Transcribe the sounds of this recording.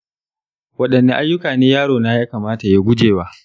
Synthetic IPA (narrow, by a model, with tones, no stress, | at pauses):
wɐ˦ɗɐ˨nːe˦ʔa˦jːʊ˦kaː˨neː˦jaː˦ɽoː˨naː˦jaː˦kaː˨maː˦ta˨ja˦ɡʷʊ˦d͡ʒeː˨waː˦